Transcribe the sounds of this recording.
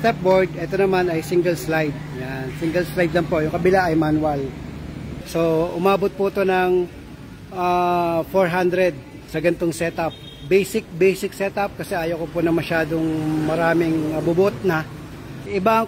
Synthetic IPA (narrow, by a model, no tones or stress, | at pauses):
st̪ɛp̚boɹd̪̚ɛt̪o̞nɐmanɐjsiŋɡɛlslajd̪̚jansiŋɡɛlslajd̪lɐŋpojʊŋkɐbɪlaʔɐjmanwal | so̞ʔʊmaːbot̪̚pʊɐt̪o̞nɐŋ | ʔafoɹɦand̪ɾɛd̪̚ | sɐɡɐnt̪oŋsɛt̪ap̚ | bejsɪk̚bejsɪk̚sɛt̪ɐp̚kɐsɛʔaːjokopʊnɐŋmɐʃaːd̪oŋmɐɾaːmɪŋmɐbʊbʊt̪̚nɐ | sɐʔɪbaɐŋ